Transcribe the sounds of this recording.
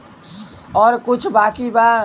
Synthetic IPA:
ɔɾkut͡ʃʰbakiba

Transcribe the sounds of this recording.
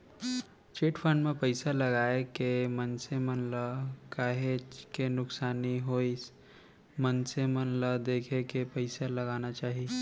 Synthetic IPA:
t͡ʃeʈpʰəɳɖmepəɪsaləɡaekemənsemənləkaɦet͡ʃkenʊksaniɦojs | mənsemənləd̪ekʰekepəɪsaləɡanat͡ʃaɦi

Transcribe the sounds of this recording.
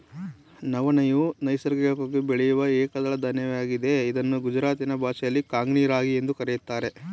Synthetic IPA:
nɐʋɐnɐjunɐjsɐɾɡɐɡɐkoɡubeɭɛjuʋɐɛːkɐd̪ɐɭɐd̪ɐnɐʋejaːɡid̪e̞id̪ɐnːuɡud͡ʒɾaːt̪inɐbʱaːʃɐjɐlːikaːŋɡniːɾaːɡie̞nd̪ukɐɾejut̪ːaːɾe

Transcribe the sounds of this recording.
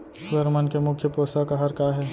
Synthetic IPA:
səɾmənkemʊkʰːjəpɾoːsakaɦɐɾkaɦɛː

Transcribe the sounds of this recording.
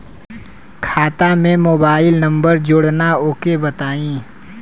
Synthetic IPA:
kʰaːt̪amẽmoːbaːɪlnɐ̃mbəɾd͡ʒʊɽnaoːkebɐt̪aːĩː

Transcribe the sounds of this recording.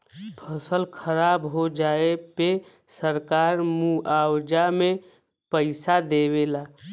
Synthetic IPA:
pʰəsəlkʰəɾaːbɦod͡ʒaːepe | səɾkaːɾmuʔaːwd͡ʒamẽ | pəɪsad̪ewelaː

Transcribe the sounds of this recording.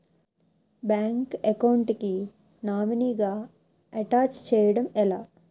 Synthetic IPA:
baːŋkekɐwɳʈki | naːminiɡaː | ɐʈaːt͡ʃt͡ʃɛːjɐɽɐmɛlaː

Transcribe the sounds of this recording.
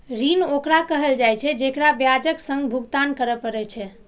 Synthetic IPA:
ɾinokɾakəɦəld͡ʒajt͡ʃʰɛd͡ʒekɾabjad͡ʒəksə̃ŋɡbʱuɡt̪ankəɾəpəɾɛt͡ʃʰɛ

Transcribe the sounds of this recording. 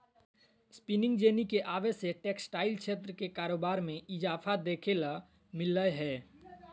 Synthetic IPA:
spinɪ̃ŋɡd͡ʒeːnikeʔaːʋeseʈeːksʈaːɪlkʃʰeːt̪̬ɾəkekaːɾoːbaːɾmẽɪd͡ʒaːfʰad̪eːkʰela | mɪləɦɛː

